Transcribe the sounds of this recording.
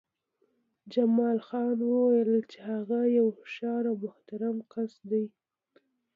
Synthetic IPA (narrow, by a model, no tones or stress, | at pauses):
d͡ʒamɑlxɑnwəwajəlt͡ʃehaɣajawfʃɑɾawmʊht̪aɾamkasd̪aj